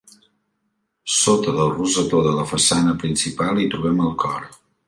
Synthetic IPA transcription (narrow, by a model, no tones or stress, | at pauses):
sot̪əðəlˠruzət̪oðələfəsanəpɾinsipalˠit̪ɾuβɛməlˠkʰɔɾ